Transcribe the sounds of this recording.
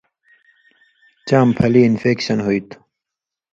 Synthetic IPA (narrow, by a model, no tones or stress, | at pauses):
t͡ɕaːmpʰɐliːnfeːkɕɐnɦoit̪